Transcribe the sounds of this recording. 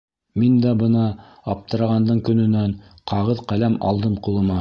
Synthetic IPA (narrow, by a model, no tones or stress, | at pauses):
mind̪æbɤ̆nɑ | ɑp̚t̪ɤ̆ɾɑʁɑnd̪ɤɴkɵ̆nɵ̆næɴqɑʁɤðqælæmɑ̰lˠd̪ɤmqulˠɤ̆mɑ